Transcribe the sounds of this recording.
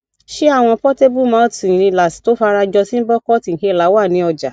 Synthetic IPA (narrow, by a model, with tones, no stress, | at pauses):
ʃe˦a˦˨w̃ɔ̃˧pɔ˦te˦bu˦˨mã˨˦tĩ˨ɾ̃ĩ˧la˨si̥˨to˨˦fa˧˦ɾa˧d͡ʒɔ˧sĩ˦n̩˦bɔ˦kɔ˦ti˨he˧˦˨la˨˦wa˦˨nĩ˨˦ɔ˧d͡ʒa˨